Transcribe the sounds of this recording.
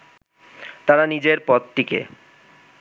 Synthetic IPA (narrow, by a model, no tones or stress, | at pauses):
t̪aɾanid͡ʑeɾpɔt̪̚t̪ikḛ